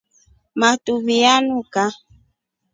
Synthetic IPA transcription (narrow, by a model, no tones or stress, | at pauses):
mat̪uβijanuka